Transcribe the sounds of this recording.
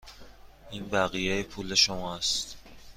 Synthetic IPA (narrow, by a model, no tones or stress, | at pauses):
iːnbæɣijejepʰule̞ʃomɒæst̪